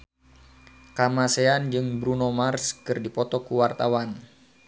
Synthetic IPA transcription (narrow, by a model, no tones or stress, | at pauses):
kamaseand͡ʒɨŋbɾunomarskɨrdipɔt̪ɔkuwart̪awan